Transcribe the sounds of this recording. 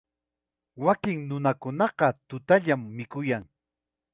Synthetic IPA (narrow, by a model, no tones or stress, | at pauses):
wakɪŋnʊnakʊnɑqɑt̪ʊt̪aʎamːɪkʊjaŋ